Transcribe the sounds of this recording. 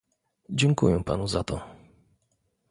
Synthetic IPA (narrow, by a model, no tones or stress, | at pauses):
d͡ʑɛŋkṵjɛpa̰nuzat̪ɔ